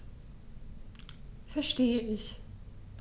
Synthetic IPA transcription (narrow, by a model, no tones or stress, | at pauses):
fɛɐʃteːəʔɪç